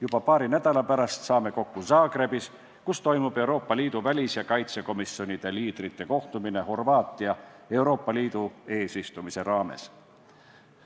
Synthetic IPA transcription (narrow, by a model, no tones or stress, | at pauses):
jub̥ɑpɑːɾinæd̪̥ɑlɑpæɾɑst̪sɑːme̞ko̞kːusɑːɡre̞bis | kust̪o̞jmub̥e̞wɾo̞ːpːˑɑliːd̪̥uvælʲisjɑkɑjt̪seko̞misjo̞nʲid̪̥e̞liːd̪̥rit̪ːe̞ko̞ht̪umine̞ho̞rvɑːt̪ːˑiɑe̞wɾo̞ːpːɑliːd̪̥ue̞ːsist̪umise̞ɾɑːme̞̰s